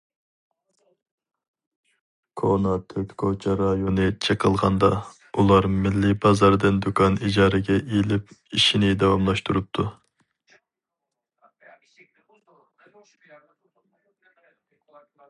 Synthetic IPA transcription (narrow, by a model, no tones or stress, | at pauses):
kʰonɑt̪ʰøkʲkʰot͡ʃʰɛɾɑjonɨt͡ʃʰəqʰəlˠʁɑnd̪ɑ | ulˠɑɾmɪlːɪbɑzɑɾd̪ɨnd̪ukʰɑnid͡ʒɑːɾɨɡʲɛʔelɪp̚iʃinɪd̪ɑwɑmlˠɑʃt̪uɾup̚t̪ʰu